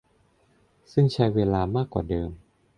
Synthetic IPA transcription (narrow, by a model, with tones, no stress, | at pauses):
sɯ˥˩ŋt͡ɕʰa˦˥jweː˧laː˧maː˥˩kːwaː˨˩dɤː˧m